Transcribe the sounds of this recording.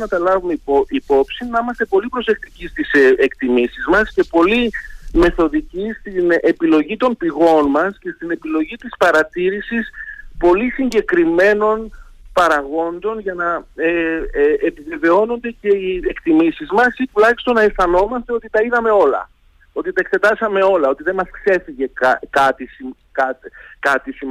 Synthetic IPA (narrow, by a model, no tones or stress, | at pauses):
nɐt̪ɐlɐvumeipo̞psinːɐimɐst̪e̞po̞lipɾo̞se̞kt̪icist̪isekt̪imisizmɐsce̞po̞lime̞θo̞ðicist̪ine̞pilo̞ʝit̪o̞npiɣo̞nmɐsce̞st̪ine̞pilo̞ʝit̪ispɐɾɐt̪iɾisispo̞lisiɲɟe̞kɾime̞no̞npɐɾɐɣo̞nd̪o̞nʝɐnɐe | epive̞ve̞o̞no̞nd̪e̞ce̞iekt̪imisizmɐsit̪ulɐçi̥st̪o̞nɐesθɐno̞mɐst̪e̞o̞t̪it̪ɐiðɐme̞o̞lɐ̰ | o̞t̪it̪ɐekse̞t̪ɐsɐme̞o̞lɐo̞t̪iðe̞mɐskse̞fiʝe̞kkɐt̪isi | kɐt̪kɐt̪isim